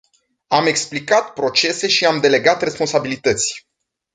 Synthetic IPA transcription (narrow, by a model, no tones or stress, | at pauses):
ame̞ksplikat̪pɾo̞t͡ʃe̞se̞ʃiamd̪e̞le̞ɡat̪re̞spo̞nsabilit̪ət̪sʲ